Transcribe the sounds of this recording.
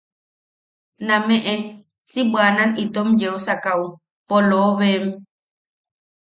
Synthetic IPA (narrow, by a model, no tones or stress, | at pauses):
nãmẽʔẽ | sibʷanãnit̪omd͡ʒeosakau | poloːβem